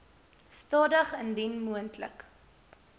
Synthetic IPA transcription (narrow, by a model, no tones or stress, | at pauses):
stɑːdəχəndinmuəntlə̰k